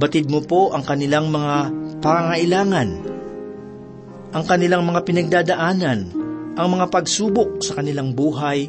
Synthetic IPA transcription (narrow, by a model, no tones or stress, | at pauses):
bɐt̪ɪd̪̚mopo̞ʔɐŋkɐnɪlaŋmɐŋapɐŋaŋɐʔɪlaːŋɐn | ʔɐŋkɐnɪlaŋmɐŋapɪnɐɡ̚d̪aːd̪ɐʔaːnɐnʔɐŋmɐŋapɐɡsuːbok̚sɐkɐnɪlaŋbuːɦaj